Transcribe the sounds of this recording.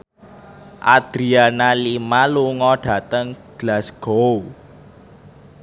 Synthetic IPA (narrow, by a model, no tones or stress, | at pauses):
ʔa̰d̪̥ɾianalimaluŋɔɖ̥a̤t̪əŋɡ̥lasɡ̥ow